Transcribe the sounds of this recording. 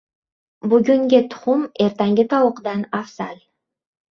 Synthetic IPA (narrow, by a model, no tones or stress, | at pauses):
buɡʲyŋɡʲet̪ʰʊ̥χumeɾt̪aŋɡʲit̪ɑwuqd̪ɑnafsalʲ